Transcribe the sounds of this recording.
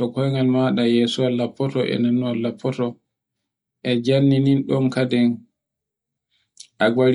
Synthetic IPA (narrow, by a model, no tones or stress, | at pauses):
ɔkɔjŋɡalmaɗajɛsuwalːapːɔtɔʔɛ̰nanːuwalːapʰːɔtɔ | ʔɛd͡ʒanːininɗɔnkadɛn | ʔaɡwaɾ